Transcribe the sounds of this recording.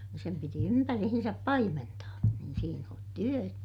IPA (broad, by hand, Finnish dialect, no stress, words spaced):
sem piti ympærihinsæp pɑimentɑː niːn siːn on tyø